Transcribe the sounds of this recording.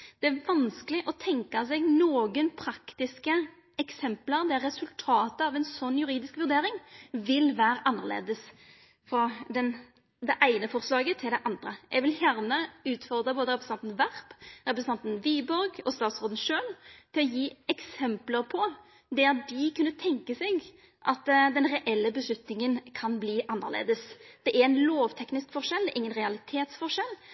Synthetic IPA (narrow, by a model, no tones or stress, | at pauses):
d̪̥ɛæʋɑnskəlɪʔɔt̪ʰɛŋkɑs̬ɛɡnoːɡənpʰɾɑkt̪ɪskə | ɛksɛmpləɾd̪ɛɾːɛsʉlt̪ʰɑːt̪əɑʋɛnsɔnːjʉɾiːd̪ɪskʋʉʁd̪eːɾɪŋʋɪlʋæːɾʔɑnːəʁlḛːd̪əs | fɾɔd̪ɛn | d̪ɛʔæɪnəfɔʁslɑːɡət̪ʰɪld̪ɛʔɑnd̪ɾəʔɛ̰ɡʋɪljæʁnəʉːt̪fɔʁd̪ɾəboːd̪əɾɛpɾəsɑnt̪n̩ʋæʁpɾɛpɾəsnɑnt̪n̩ʋiːbɔɾɡɔst̪ɑːt̪sʁɔːd̪ən̩ʂøːlt̪ʰɪlɔjiːɛksɛmpləɾpʰɔ | d̪ɛɑt̪̚d̪ɪkʰʉnːət̪ʰɛŋkəsɛɡ | ʔɑt̪ːd̪ɛnɾɛʔɛlːəbəslʉt̪nɪŋənkʰɑnbliːʔɑnːəʁlḛːd̪əsd̪̥ɛʔæɾæɪnloːʋt̪ʰɛknɪskfɔʂɛld̪ɛʔɪŋːənɾɛɑlɪt̪ʰeːt̪sfɔʂɛl